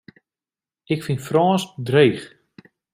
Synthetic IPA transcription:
ɪkfinfrɔːsdrejχ

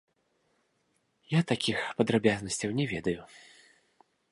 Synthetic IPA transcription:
jat̪akʲixpɐd̪ɾabʲaznɐsʲt͡sʲɐwnʲɛvʲɛd̪ɐju

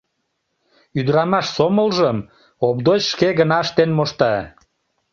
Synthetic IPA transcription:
yd̪ɾɑmɑʃsoməlʒəm | op̚d̪ot͡ɕʃkeɣənɑəʃt̪enmoʃt̪ɑ

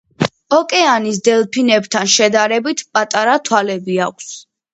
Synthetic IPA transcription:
ɔkʼɛanis̬d̪ɛlˠpʰinɛbt̪ʰanʃɛd̪aɾɛbit̪ʰpʼat̪ʼaɾat̪ʰwalɛbiakʷʰs

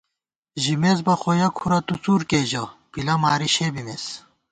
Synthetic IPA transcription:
ʑimezbɐxojɐkʰuɾɐt̪ut͡suːɾkeːʑɐpilɐmaːɾiɕebimes

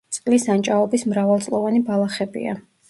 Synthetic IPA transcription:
t̪sʼqʼlisant͡ʃʼaɔbismɾavalˠt̪sʼlˠɔvanibalˠaχɛbḭa̰

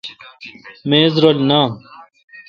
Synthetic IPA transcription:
mẽːzɾoːlnaː

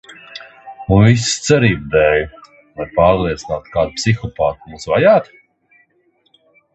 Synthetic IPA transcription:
unvis̬t̪sɛɾiːbd̪ɛːju | lˠajpaːɾlˠiɛt̪sinaːt̪kaːd̪̚psixɔpaːt̪muːsvajaːt̪

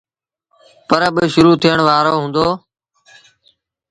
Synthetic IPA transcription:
pəɾbɪʃʊɾuːt̪ʰiəɳʋaːɾoːɦũːnd̪oː

